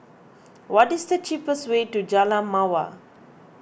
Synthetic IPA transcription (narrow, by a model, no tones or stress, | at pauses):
wɔtisdət͡ʃipəstweːtud͡ʒalamawa̰